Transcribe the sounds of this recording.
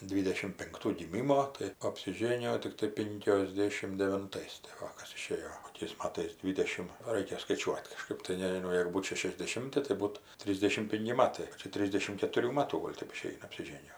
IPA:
ˈdʲʋʲiːdʲɛʃʲɪm pʲɪŋkˈtuː ɡʲɪˈmʲɪmoː tɐɪ ɐpʲsʲɪˈʒʲeːnʲɪjoː tʲɪkˈtɐɪ ˌpʲɪŋʲkʲoːzʲˈdʲeːʃʲɪm dʲɛʋʲɪnˈtɐɪs tɐɪ ˈʋɐ ˈkɐs ɪˈʃʲeːjoː koːˈkʲɛɪs ˈmɑːtɐɪs ˈdʲʋʲiːdʲɛʃʲɪm ˈrɐɪkʲɛ skɐɪˈt͡ʃʲuɔtʲ kɐˈʃkɜp tɐɪ nʲɛʒʲɪˈnɐʊ ˈjeːɡʊ ˈbuːt ʃʲɛʃʲɛzʲdʲɛˈʃʲɪmʲtʲɪ tɐɪ ˈbuːt ˈtʲrʲiːzʲdʲɛʃʲɪm ˈpʲɪŋʲkʲɪ ˈmɑːtɐɪ ɪkʲɪ ˈtʲrʲɪzʲdʲɛʃʲɪm kʲɛtʊˈrʲuː ˈmɑːtuː ˈɡoːlʲ ˈtʲɛp ɪˈʃʲɛɪnɐ ɐpʲsʲɪˈʒʲeːnʲɪjoː

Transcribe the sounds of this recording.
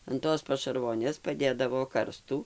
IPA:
ɐn ˈtoːs pɐʃɐrˈʋoːnʲeːs pɐˈdʲeːdɐʋoː ˈkɐrstuː

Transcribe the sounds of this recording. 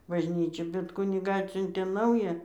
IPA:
bɐʒʲˈnʲiːt͡ʃʲɛ bʲɛt ˈkʊnʲɪɡɑː ˈɑːtʲsʲʊnʲtʲeː ˈnɐʊjæː

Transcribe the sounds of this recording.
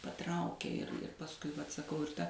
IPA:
pɐˈtrɐʊkʲeː ɪr ɪr pɐsˈkʊɪ ʋɐt sɐˈkɐʊ ɪr ˈtɐ

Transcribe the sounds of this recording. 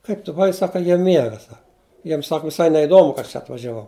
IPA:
ˈkɐɪp tʊ bʊˈʋɐɪ ˈsɑːkɐ ˈjiɛ ˈmʲiɛɡɐ ˈsɐk ˈjiɛm ˈsɐk ʋʲɪˈsɐɪ nʲɛɪˈdoːmʊ kɐ ˈɐʃ t͡ʃʲɛ ɐtʋɐʒʲɛˈʋɐʊ

